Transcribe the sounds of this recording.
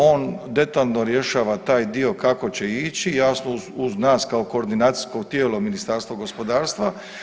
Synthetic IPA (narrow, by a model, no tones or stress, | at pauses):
o̞ːnd̪e̞t̪aːlnoɾje̞ʃaːʋat̪aːjd̪io̞kako̞t͡ɕe̞it͡ɕijasnouznaːskaoko̞ːɾd̪inaːt̪si̥sko̞ɡ̚t̪je̞ːlominist̪aɾst̪ʋoɡo̞spo̞d̪aːɾst̪ʋa